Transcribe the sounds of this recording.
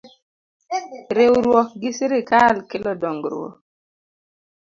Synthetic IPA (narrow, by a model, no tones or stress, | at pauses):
ɾewɾwɔɡɪsɾɪkalkɪlɔdɔŋɡɾwɔ̰